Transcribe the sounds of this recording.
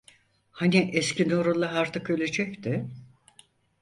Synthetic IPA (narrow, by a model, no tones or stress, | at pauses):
haniʔɛscʰinoɾulˠːaɦaɾt̪ʰɯkø̞lʲed͡ʒɛct̪ʰɪ